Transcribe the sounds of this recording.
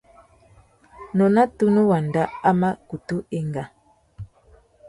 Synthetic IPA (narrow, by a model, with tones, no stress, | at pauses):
nɔ˨na˦tu˦nu˦wa˨nda˦a˦ma˦ku˨tu˦e˦ŋɡa˨